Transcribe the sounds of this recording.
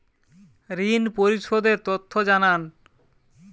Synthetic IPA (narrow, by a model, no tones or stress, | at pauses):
ɾinpoɾiʃod̪eɾt̪ot̪ʰːod͡ʑanan